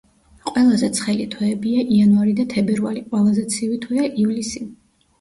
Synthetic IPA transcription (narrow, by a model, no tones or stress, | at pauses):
qʼwɛlˠazɛt̪sʰχɛlit̪ʰwɛːbiaʔianvaɾid̪at̪ʰɛbɛɾvaliqʼwɛlˠazɛt̪sʰivit̪ʰwɛaʔivlisi